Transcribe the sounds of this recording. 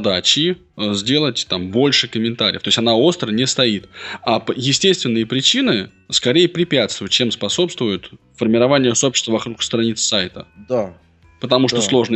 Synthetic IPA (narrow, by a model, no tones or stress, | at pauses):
d̪at͡ɕɪ | zʲdʲe̞lˠətʲt̪ambo̞lʲʂɨkəmʲɪnt̪aɾʲɪ̰əft̪oɪsʲtʲɐnao̞st̪ɾənʲɪst̪ɐit̪apəjɪsʲtʲest̪vʲɪnːɨjəpɾʲɪt͡ɕinɨ | skɐɾʲejəpɾʲɪpʲæt̪st̪vʊjʊt̪̚t͡ɕe̞mspɐso̞pst̪vʊjʊt̪ | fərmʲɪɾɐvanʲɪjəso̞pɕɪ̥st̪vəvɐkɾukst̪ɾɐnʲit̪ssajt̪əd̪a | pət̪ɐmuʂt̪oslˠo̞ʐnə